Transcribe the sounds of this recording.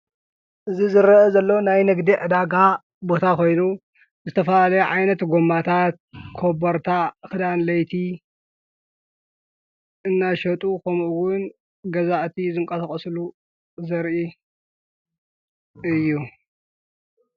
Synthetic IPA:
ʔɨzizɨɾɐɐzɐlːɐwnajnɨɡd̪iʕɨd̪aɡa | bo̞t̪ʰakʰo̞jnu | zɨt̪ʰɐfɐlalɐjɛʕajnɐt̪ɡomːat̪ʰat̪̚kʰobɐɾt̪ʰakɨd̪anlɐjt̪ʰi | ʔɨnːaʃɐt̪ʼukʰɐmʔuwʊn | ɡɐzaʔt̪ʰizɨŋkʼɐsɐkʼɐslu | zɐɾʔi | ɨjːu

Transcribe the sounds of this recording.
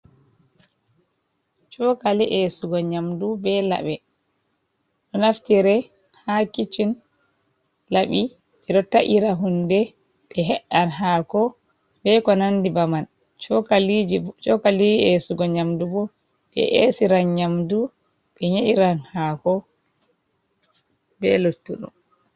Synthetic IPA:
t͡ʃɔkaliʔesuɡɔɲamdubɛla̰ɓɛ | ɗɔnaftiɾɛ | hakit͡ʃin | laɓi | ɓɛɗɔtaʔiɾaɦundɛ | ɓɛɦɛɗːanɦaːkɔ | bɛkɔnandibaman | t͡ʃɔkalid͡ʒit͡ʃɔkalid͡ʒiesuɡɔɲamdubɔ | ɓɛ̰ʔḛsiɾanɲamdu | ɓɛɲeʔiɾanhakɔ | bɛlotːuɗṵm

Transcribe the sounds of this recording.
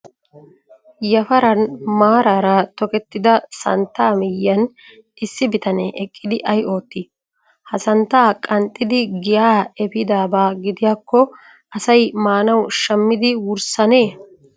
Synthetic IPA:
jɐfɐɾɐnmaːɾaːɾat̪ɔkɛt̪ːɪd̪ɐsɐ̰nt̪ːaːmɪjːɐn | ʔɪsːɪbɪt̪ɐneʔɛkʼːɪd̪ɪʔɐjo̞ːt̪ːi | hɐsɐnt̪ːaːkʼɐnt̪ʼːɪd̪ɪɡɪjaːɛbɪd̪aːbaːɡɪd̪ɪjaːkːɔ | ʔɐsɐjmaːnɐwʃɐmːɪd̪ɪwʊɾsɐne̞ː

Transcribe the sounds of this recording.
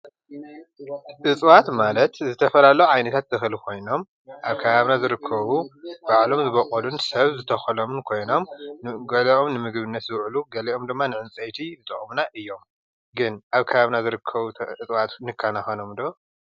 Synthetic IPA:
ʔɨt͡sʼwat̪malɐt̪zɨt̪ʰɐfɐlalɐuʕajnɐt̪ʰat̪ːʰɨxlikʰo̞jno̞m | ʔaβkʰɐβaβnazɨɾɨkʰːɐβub̥aʕlo̞mzɨβɐkʼɐlunsɐβzɨt̪ʰɐxɐlomɨnkʰo̞jno̞mɡɐlɐʔo̞mnɨmɨɡβɨnːɐt̪zɨwʔluɡɐliʔo̞md̪ɨmːanɨʕɨnt͡sʼɐjt̪ʰiɨt̪ʼɐχʼmunaʔɨjːo̞m | ɡɨnʔaβkʰɐβaβnazɨɾɨkʰːɐβuɨt͡sʼwat̪nɨkʰːanaxɐnomd̪o

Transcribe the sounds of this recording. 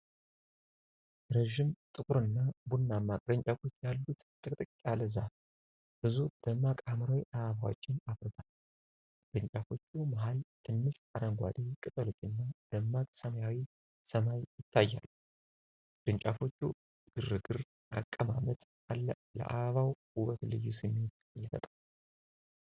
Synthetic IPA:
ɾəʒːɪmt̪ʼɨkʼuɾɨnːabunːamakʼd̪əɲt͡ʃʼafo̞t͡ʃːjalːut̪t̪ʼɨkʼt̪ʼɨkʼkʼaləza | b̥ɨzud̪̥əmːakʼamɾawiʔaβaβawot͡ʃːɪnaβɾɨt̪ʰal | d̪ɨɲt͡ʃʼafo̞t͡ʃːumaɦalt̪ʰɨnːɨʃaɾəŋɡʷa̰d̪ekʼɨt̪ʼəlot͡ʃːɨnːad̪̥əmːakʼsəmjawi | səmajjɪt̪ʰːajːa̰lːu | ɾɨɲt͡ʃʼafo̞t͡ʃːu | ɡ̥ɨrɨɡɨɾ | ʔakʼːəmamət̪ | alːə | lə̰ʔaβəβaw | uβət̪lɨ̰jːusɨmːe̞t̪ | jɛfə̰t̪ʼal

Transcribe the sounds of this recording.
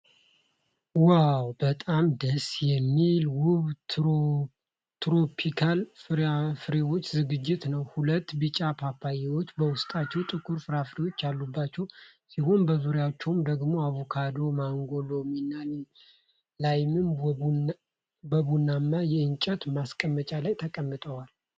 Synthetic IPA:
wawbət̪ʼamd̪əsjɛmːilwʊβ | t̪ɾopʰikʰalfɾafɨɾewo̞t͡ʃːzɨɡɨd͡ʒːɪt̪nəwhulət̪ːbɨt͡ʃʼːapʰapʰːajɛwo̞t͡ʃːbəwʊst̪ʼat͡ʃːɛwt̪ʼɨkːuɾfɨɾafɨɾewo̞t͡ʃːjalːubːat͡ʃːɛw | sihonbəzuɾjat͡ʃːɛwmd̪əɡmo̞aβokʰad̪o̞maŋɡolo̞minːani | lajmɨn | bəβunːamːajɛɨnt͡ʃʼət̪maskʼəmːət͡ʃʼalajt̪ʰəkʼəmːɨt̪ʼəwal

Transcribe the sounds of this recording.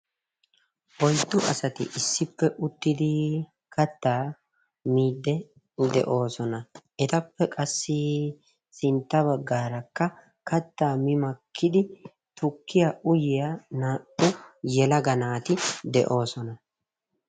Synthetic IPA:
ʔɔjt̪ːʊʔɐsɐt̪ɪ̰ʔɪsːɪpːɛʔʊt̪ːɪd̪ɪ | kɐt̪ːaː | miːd̪ːɛ | d̪ɛ̰ʔo̞ːsɔnɐɛt̪ɐpːɛkʼɐsːɪ | sɪnt̪ːɐβɐɡːaːɾɐkːɐ | kɐt̪ːaːmɪmɐkʰːɪd̪ɪ | t̪ʊkːɪjaʔʊjɪjanaːʔʊjɛlɐɡɐnaːt̪ɪd̪ɛ̰ʔo̞ːsɔnɐ

